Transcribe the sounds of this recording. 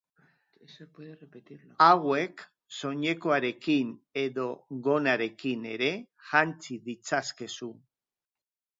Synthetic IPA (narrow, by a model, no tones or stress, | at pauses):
weðerepet̪iɾawe̞k | so̞ɲe̞ko̞aɾe̞kine̞ðo̞ɣo̞naɾe̞kine̞ɾe̞ | ʝant͡siðit͡saske̞su